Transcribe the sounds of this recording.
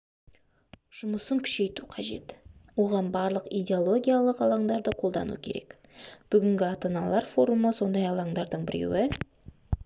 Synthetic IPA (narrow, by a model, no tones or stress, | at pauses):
ʒ̥ʊməsəŋkʲʰʏ̥ʃe̞jt̪uqʰɑʒe̞̰t̪wo̞ʁɑnbɑɾlˠəqijd̪ʲeolˠo̞ɡʲijalˠəqɑlˠɑɴd̪ɑɾd̪əqʰo̞lˠd̪ɑ̰nṵkʲʰe̞ɾe̞̰k | b̥ʏɡʲɪŋɡʲɪɑt̪ɑnɑlˠɑɾfo̞ɾuməso̞nd̪ɑjɑlˠɑɴd̪ɑɾd̪əɴbɪɾe̞̰wɪ